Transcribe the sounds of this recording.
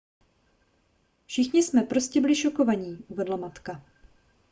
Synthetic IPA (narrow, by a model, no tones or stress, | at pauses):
fʃɪxɲɪsmɛpɾoscɛbɪlɪʃo̞ko̞vaɲiːʔuvɛdlamat̪ka